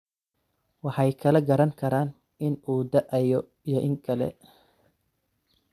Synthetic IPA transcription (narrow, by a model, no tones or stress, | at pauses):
wɑħɑjkʰɐlɛɡɐɾɐŋkʰɐɾaːn | ɪnuːd̪ɐʔɛjɔ | ijɔʔɪŋkʰɐlɛ̰